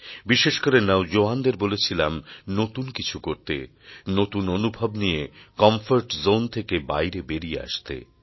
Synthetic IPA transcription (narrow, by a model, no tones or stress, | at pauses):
biʃeʃkoɾenaod͡ʑoand̪eɾbolet͡ɕʰilamnot̪unkit͡ɕʰukoɾt̪ḛ | not̪unonubʱobnijekɔmfoɾʈzont̪ʰekebajɾebeɾiea̰ʃt̪ḛ